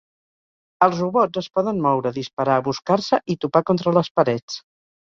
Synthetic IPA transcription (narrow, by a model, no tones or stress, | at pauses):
əlˠzruβɔd͡zəspɔðənmɔwɾəðispəɾaːβuskarsəʔit̪upakont̪ɾələspəɾɛt͡s